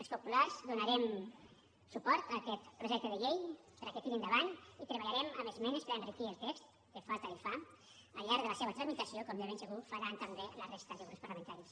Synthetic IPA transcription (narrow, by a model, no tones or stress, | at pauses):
əlˠspupularzðunaɾɛm | supɔɾt̪əkɛt̪pɾuʒɛk̚t̪əðəʎejpəɾaket̪iɾind̪əβanit̪ɾəβaʎaɾɛmə̰məzmɛnəspəɾənrikiəlˠt̪ɛkst̪ | kəfalt̪əifa | əlʎaɾɡðələseβət̪ɾəzmit̪əsiokɔmʒaβensəɣufəɾant̪əmbelərest̪əðeɣɾuspərləmənt̪aɾis